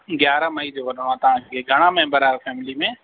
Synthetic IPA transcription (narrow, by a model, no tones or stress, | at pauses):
ɡjaːɾəmɐid͡ʑoːʋɐɗəɽ̃oaːt̪ɐʋ̤ãkkʰeːɡʱɐɽ̃ãmɛ̃ɦmbəɾaːɾfɛːmɪlimẽ